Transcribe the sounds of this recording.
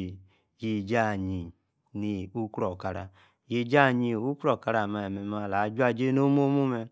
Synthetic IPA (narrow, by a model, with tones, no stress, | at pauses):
ji˧d͡ʒa˦˨ɲi˨ | ni˨u˦kɾɔ˨ka˨ɾa̰˨ | ji˧d͡ʒa˦˨ɲi˧˨u˦kɾɔ˦˨ka˧ɾa˨ma˧ɛ˨mɛ˨ma˦˨la˨˦d͡ʒu˦a˦˨d͡ʒe˦no˦mo˦mo˦mɛ˧